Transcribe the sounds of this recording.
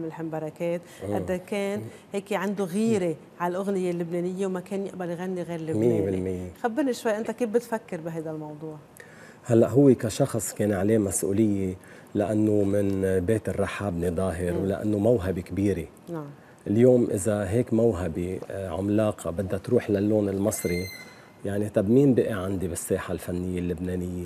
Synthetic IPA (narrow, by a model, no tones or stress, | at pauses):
mɪlhɪmbɑɾˤɑkeːt̪ʔad̪akeːn | heːkeʕand̪uɣiːɾe | ʕalʔʊɣnɪjelːʊbneːnɪjːewmakeːnjɪʔbaljɣanːiɣeːɾlːʊmɪjːebɪllmɪjːexabːɪɾniʃwajːʔɪnt̪akiːfbɪt̪fakːɪɾbɪɦajd̪almɑwd̪ˤuːʕ | halːaʔɦʊwːekaʃɑxsˤkeːnʕaleːmasʔṵːlɪjːe | laʔanːomɪnbeːt̪ɪrˤːɑħaːbnid̪ˤɑːɦɪɾwla̰ʔa̰nːomawɦabikbiːɾe | na | ʔljoːmʔɪ̰zaɦeːkmawɦabiʕʊ̰mlɑːqʰɑbɪd̪ːat̪ɾuːħlalːoːnɪlmɑsˤɾi | jaʕnit̪abmiːmbɪʔeʕand̪ibɪsːeːħalfanːɪjːelːʊbneːnɪjːe